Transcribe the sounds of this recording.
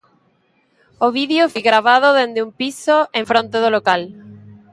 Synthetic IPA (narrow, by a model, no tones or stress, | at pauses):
oβiðjofojɣɾaβ̞að̞oðend̪eumpisoẽɱfɾõnt̪eðolokal